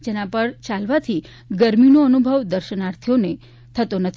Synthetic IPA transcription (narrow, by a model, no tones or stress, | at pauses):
d͡ʒenãpəɽt͡ʃalʋat̪ʰi | ɡəɾminoənubʱəʋd̪əɾʃənaɾt̪ʰijone | t̪ʰət̪onət̪ʰ